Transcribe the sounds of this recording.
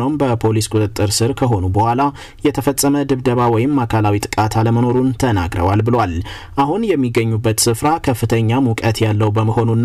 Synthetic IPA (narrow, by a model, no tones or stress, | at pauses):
əwmbəpʰo̞liskʼut̪ʼɨt̪ʼːɨɾsɨɾkʰəɦo̞nubəhʷwʷala | jɛt̪ʰəfəsʼːəməd̪ɨβd̪əβawɔjɪmːakʰalawit̪ʼɨ̥kʼat̪ʰaləməno̞ɾunt̪ʰəna̰ɡɾə̰walbɨlwal | ʔaɦunjɛmːiɡːəɲːubːət̪sɨfɾakʰəfːɨt̪ʰəɲːamukʼət̪jalːəwbəməho̞nunː